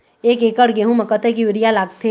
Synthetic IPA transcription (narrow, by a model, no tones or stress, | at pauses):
eːkeːkəɽɡeɦũmɐkət̪ʰek̬iʋɪɾijalaːɡ̚t̪ʰe